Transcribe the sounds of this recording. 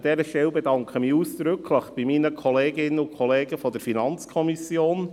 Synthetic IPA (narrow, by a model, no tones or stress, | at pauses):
d̥ɛːɾəʃtɛwbɛdɑŋkχəmiuːsd̥ɾʏkʰləχb̥imiːnəkʰɔleːɡɪnəʊkʰɔleːɡəfɔdəɾfinɑnt͡skʰɔmisjoːn